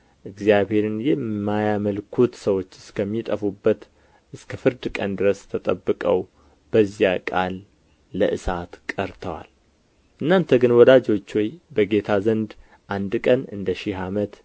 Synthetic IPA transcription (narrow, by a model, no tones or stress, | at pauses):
ʔɨɡzjaβhe̞ɾɨnjɛmmːajaməlkʰut̪səwo̞t͡ʃːɨskʰəmːit̪ʼəfubːət̪ | ʔɨskʰəfɨɾd̪kʼənd̪ɨɾəst̪ʰət̪ʼəbːɨkʼəw | b̥əzjakʼa̰lː | əʔɨsat̪kʼəɾt̪ʰəwa̰l | ʔɨnːant̪ʰəɡɨnwɔd̪ad͡ʒo̞t͡ʃːwɔjbəɡe̞t̪ʰazənd̪ | ʔand̪kʼənɨ̰nd̪əʃɪɦamət̪